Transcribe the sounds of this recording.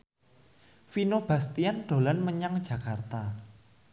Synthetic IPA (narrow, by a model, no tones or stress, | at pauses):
finob̥a̤st̪ianɖ̪̥o̤lanməɲaŋ̥d͡ʒ̥a̤kart̪a